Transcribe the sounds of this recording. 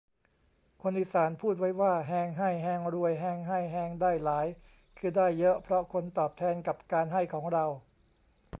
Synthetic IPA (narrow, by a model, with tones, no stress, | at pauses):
kʰo˧nʔi˨˩saː˩˦npʰuː˥˩t̪̚wa˦˥jwaː˥˩ɦɛː˧ŋɦa˥˩jɦɛː˧ŋɾu˧əjɦɛː˧ŋɦa˥˩jɦɛː˧ŋdaː˥˩jlaː˩˦j | kʰɯː˧daː˥˩jːɤ˦˥ʔpʰɾɔ˦˥kʰo˧nt̪ɔː˨˩p̚t̪ʰɛː˧nka˨˩p̚kaː˧nɦa˥˩jkʰɔː˩˦ŋɾa˧w